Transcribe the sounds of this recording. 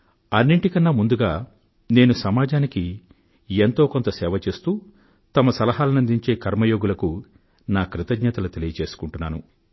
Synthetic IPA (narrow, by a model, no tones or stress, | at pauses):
ɐnːiɳʈikɐnːaːmund̪uɡaː | ne̞ːnusɐmaːd͡ʒaːniki | ent̪o̞ːko̞nt̪ɐsɛːʋɐt͡ʃe̞ːst̪uː | t̪ɐmɐsɐlɐɦaːlɐnɐnd̪iɲt͡ʃe̞ːkɐɾmɐjo̞ːɡulɐku | naːkɾit̪ɐɡɲɐt̪ɐlut̪e̞lijɐt͡ʃe̞ːsu̥kuɳʈunːaːnṵ